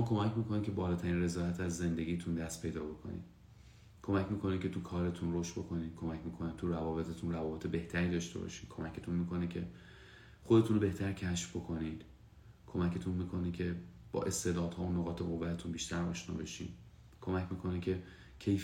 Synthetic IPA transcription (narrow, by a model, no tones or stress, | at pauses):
omːkʰo̞mæcmiːko̞nicʰe̞bɒːlɒːt̪ʰæɾiːnre̞zɒːæt̪ʰæzːe̞nd̪e̞ɡʲɟiːjt̪ʰund̪æst̪̚pʰe̞jd̪ɒːbo̞kʰo̞̰nḭːd̪ | kʰo̞mæcmiːko̞nicʰe̞t̪ʰukʰɒːɾe̞t̪ʰunroʃt̪̚bo̞kʰo̞niːd̥̪̚kʰo̞mæcmiːkʰoniːd̪̚t̪ʰuɾævɒːbe̞t̪ʰet̪ʰunrævɒːbe̞t̪ʰebe̞ht̪ʰæɾiːd̪ɒʃt̪e̞̰bɒ̰ʃiːd̪kʰo̞mæcʰet̪ʰunmiːko̞nicʰe̞ | xo̞d̪e̞t̪unobe̞ht̪ʰæɾcʰæʃfbo̞kʰo̞niːd̪̥ | kʰo̞mæce̞t̪ʰunmiːkʰo̞nicʰe̞b̥ɒ̰ːʔe̞st̪e̞ːd̪ɒːd̪̥hɒːunːoɣɒːt̪ʰeɣo̞vːæt̪ʰunbiːʃt̪ʰæɾɒ̰ːʃnɒ̰ːbeʃḭn | kʰo̞mæcmiːkʰo̞nicʰe̞ | cʰej